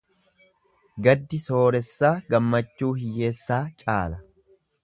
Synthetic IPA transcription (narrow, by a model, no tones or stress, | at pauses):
ɡɐd̪ːɪso̞ːɾɛsːaːɡɐmːɐt͡ʃːuːhɪjːe̞ːsːaːt͡ʃʼa̰ːlɐ